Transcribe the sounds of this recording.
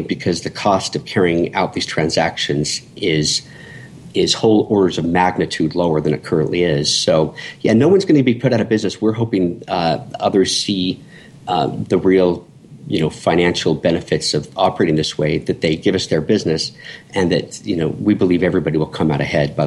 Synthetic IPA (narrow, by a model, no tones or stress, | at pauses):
b̥ɨkʰʌzðɨkʰɔstʌv̥kʰɛɹiɪ̃ŋa̰ʊt̪̚ðiz̥tʰɹ̥æ̃nzækʃɨ̃nz̥ʔɪz̥ | ɪz̥hoʊlˠɔɹɾə˞zʌvmæɡ̚nɨtʰʉdˡloʊə˞ðɨ̃ñɨt̚kʰɜ˞ɨ̃nʔliɪz̥soʊjænoʊwʌ̃nzɡʌnɨɨbipʰʊɾaʊɾɨbɪznɨswɪɹɦoʊpɪ̃ŋ | ʌðə˞z̥si | ðɨɹilˠ | jɨnoʊfãɪ̃næ̃nʃl̩ˠbɛnɨfɨtsʌvɑpə˞eɪɾɪ̃ŋðɪsweɪðɨt̪̚ðeɪɡɪvʌsðə˞bɪznɨsʔɨ̃nðɨ̰t̚jɨnoʊwibəlivɛvɹibɑɾiwəlˠkʰʌ̃maʊɾɨhɛd̚baɪ